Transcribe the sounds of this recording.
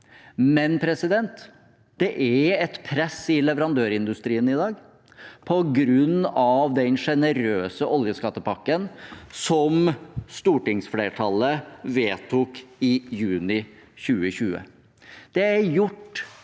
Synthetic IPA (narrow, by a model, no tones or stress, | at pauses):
mɛnpʰɾɛsɪd̪ɛnt̪ | d̪̥ɛʔæɛt̪pʰɾɛsːɪlɛʋəɾɑnd̪øːɾɪnd̪ʉst̪ɾiːənɪd̪ɑːɡ | pʰɔɡɾʉnːɑʋd̪ɛnʂɛnəɾøːsəʔɔljəskɑt̪ːəpʰɑkːənsɔmst̪uːʈɪŋsfleːʈʰɑlːəʋeːt̪ʰʊkɪjʉːnɪɕʉːəɕʉːə̰ | d̪̥ɛæɾjʊʈː